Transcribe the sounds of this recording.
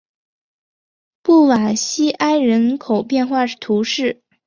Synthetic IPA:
pu˥˩wa˨˩ɕi˥ʔa˥ɪɻə˧˥nkʰo˨˩ʊpjɛ˥˧nxwa˥˧ʂt̪ʰu˧˥ʂɻ̩˥˩

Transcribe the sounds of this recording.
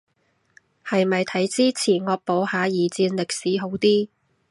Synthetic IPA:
hɐ˨jmɐ˨jt̪ʰɐ˨˥jt͡siː˥t͡sʰiː˨˩nŋɔː˧k̚po˨˥whaː˨˧jiː˨˧t͡siː˧nlɪ˨k̚siː˨˥ɦo˨˥wt̪iː˥

